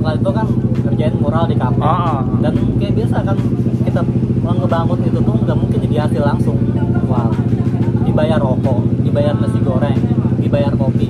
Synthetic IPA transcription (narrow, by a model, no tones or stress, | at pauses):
lait̪ukankərd͡ʒaɪnmoɾaldikapadankajabiasakankit̪aəŋɡəbamət̪it̪ut̪ʊhəŋɡaʔmuŋkɪnd͡ʒadiɦat̪ɪlaŋsʊŋwa | dibajarɔmɔdibajarnəsiɡoɾɛŋdibajarkopi